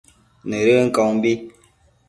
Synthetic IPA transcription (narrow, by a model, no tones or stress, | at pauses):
neɾeŋ̩kɔŋmbi